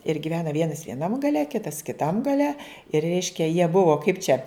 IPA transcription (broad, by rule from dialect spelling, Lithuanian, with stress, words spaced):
ɪr ɡʲɪˈʋʲæːnɐ ˈʋʲiɛnɐs ʋʲiɛˈnɐm ɡɐˈlʲɛ ˈkʲɪtɐs kʲɪˈtɐm ɡɐˈlʲɛ ɪr ˈrʲɛɪʃʲkʲɛ jiɛ ˈbʊʋoː kɐɪp t͡ʃʲɛ